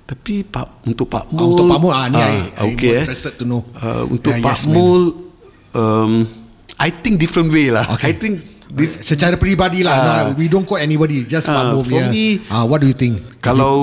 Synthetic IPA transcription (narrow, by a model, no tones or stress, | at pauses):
t̪apipaunt̪ʊk̚pa̰ʔmũnʊpamɔlaniajomẽɾɛst̪əd̚t̪unoə̰ṵ̃nt̪ʊjpasmol | əm | ʔajt̪ɪ̃ŋk̚difɾə̃nwelaokajt̪ĩŋk | isət͡ʃaɾapɾibadilanowidõnkɔtɛnibɔdid͡ʒaspaʔmõljəiʔawɔt̚dujut̪ɪ̃ŋk̚kalaw